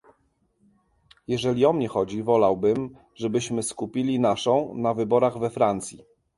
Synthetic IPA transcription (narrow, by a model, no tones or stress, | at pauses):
jɛʐɛlʲiɔmɲɛxɔd͡ʑivɔlawbɘm | ʐɛbɘɕmɘskupʲilʲinaʂɔ̃w̃navɘbɔɾaɣvɛfɾant̪sʲji